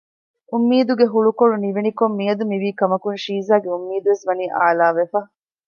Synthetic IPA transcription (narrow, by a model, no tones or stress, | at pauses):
umːiːd̪uɡeɦuɭukoɽuniʋenikomːiɐd̪umiʋiːkɐmɐkunʃiːzaːɡeumːiːd̪uʋesʋɐniːʔaːlaːʋefɐ